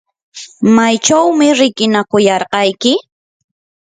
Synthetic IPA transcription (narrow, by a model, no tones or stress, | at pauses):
majt͡ʃawmɪɾɪkɪnakʊjɑɾqɑjkɪ